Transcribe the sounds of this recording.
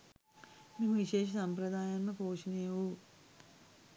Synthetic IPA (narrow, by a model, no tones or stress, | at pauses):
mimʋiʃeːʃ̬ɐsɐmpɾɐd̪ʱaːjaːnːupoːʂineːʋu